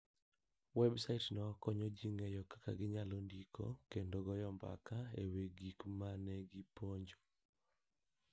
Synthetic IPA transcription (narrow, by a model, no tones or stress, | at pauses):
wɛbsaitnɔkɔɲod͡ʒiŋejɔkḁka̰ɡɪɲalondikʰo̰kendoɡɔjɔmba̰kaeweɡikmanɛɡɪpoɲd͡ʒo̥